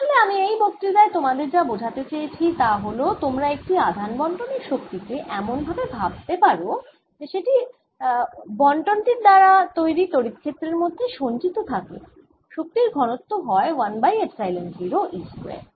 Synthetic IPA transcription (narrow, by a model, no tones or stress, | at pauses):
aʃoleamiejbokt̪ɾid̪aet̪omad̪eɾd͡ʑabod͡ʑʱat̪et͡ɕejet͡ɕʰit̪aɦolot̪omɾaek̚ʈiad̪ʱanbɔɳʈoneɾʃok̚t̪ikeʔɛmonbʱabebʱab̚t̪epaɾo | d͡ʑeʃeʈi | bɔɳʈonʈiɾd̪aɾat̪ojɾit̪oɾit̪kʰːet̪ːɾeɾmod̪ʱːeʃont͡ɕit̪ot̪ʰakḛ | ʃok̚t̪iɾɡʱɔnot̪ːoɦɔewanbajebsajlensiɾoʔispɾḛ